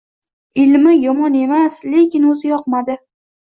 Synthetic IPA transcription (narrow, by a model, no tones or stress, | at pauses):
ɪlmɪjɒmɒne̞masle̞kʲɪnɵzɪjɒqmad̪ɪ